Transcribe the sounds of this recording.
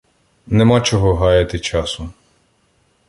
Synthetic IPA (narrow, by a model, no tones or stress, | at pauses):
nemɑt͡ʃɔɦɔɦɑjɐt̪ɪt͡ʃɑsʊ